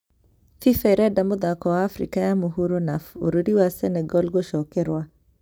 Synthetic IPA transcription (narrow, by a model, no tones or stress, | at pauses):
fifɛiɾɛdamoðakɔwaːfɾḭkajamuɦuɾonafo̰ɾiɾiwasɛnɛɡɔlɡoʃɔkɛɾwa